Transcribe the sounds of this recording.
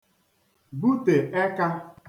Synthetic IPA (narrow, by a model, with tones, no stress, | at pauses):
bu˦te˨e˦ka˦